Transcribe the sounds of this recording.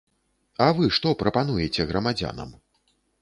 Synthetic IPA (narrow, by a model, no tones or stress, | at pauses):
ɐvɨʂt̪ɔpɾɐpan̪ujɛt͡sʲɛɣɾɐmad͡zʲa̰nɐ̰m